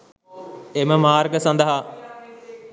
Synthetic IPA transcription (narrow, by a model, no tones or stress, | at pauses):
eməmaːrɡəsɐ̃nd̪əɦa